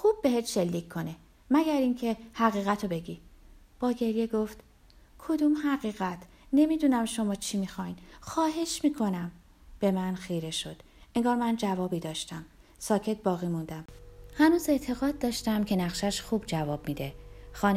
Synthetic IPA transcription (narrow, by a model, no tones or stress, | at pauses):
xub̥̚ːe̞ɦet̪ʃe̞lːiːcʰkʰo̞ne | mæɡæɾiŋcʰe̞hæɣiːɣæt̪ʰobe̞ɟi | b̥ɒːɟe̞ɾje̞ɡoft̪ | kʰo̞d̪uːmhæɣiːɣæt̪ʰ | ne̞mid̪unæmʃo̞mɒːt͡ʃʰimixɒjnxɒːɦe̞ʃmiːkʰo̞næm | b̥e̞mænxiːɾe̞ʃo̞d̪̥ | ʔeŋɡɒːɾmænd͡ʒævɒːbiːd̪ɒːʃt̪æm | sɒːcʰe̞t̪̚bɒːɣiːmund̪æmhænuːze̞ʔt̪ʰe̞ɣɒːd̪̚ːɒːʃt̪æmcʰe̞næɣʃæʃxuːb̚d͡ʒævɒːb̚miːd̪e̞xɒːn